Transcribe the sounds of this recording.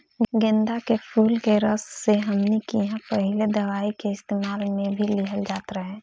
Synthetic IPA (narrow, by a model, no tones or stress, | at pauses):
ɡẽnd̪akepʰuːlkeɾəsːeɦəmnikijɦãpəɦɪled̪əʋaːikeɪst̪emaːlmẽbʱiliɦəld͡ʒaːt̪ɾəɦɛ̃